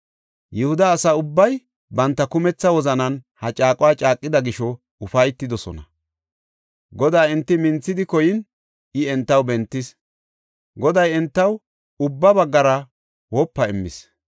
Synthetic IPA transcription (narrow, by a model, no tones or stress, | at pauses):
jɛhʊd̪ɐːsɐʊbːɐj | bɐnt̪ːɐkʊmɛt͡sːɐwɔzɐnɐnhɐt͡ʃʼaːkʼɔwaːt͡ʃʼaːkʼːɪd̪ɐɡɪʃɔ | ʊfɐjt̪ːɪd̪ɔsɔ̰nɐ̰ | ɡɔd̪aːɪnt̪ːɪmɪnt͡sːɪd̪ɪkɔjɪn | ʔɪɛnt̪ːɐwbɛnt̪ːɪs | ɡɔd̪ɐjɛnt̪ːɐw | ʊbːɐbɐɡːɐɾɐ | wɔpːɐɪmːɪ̰s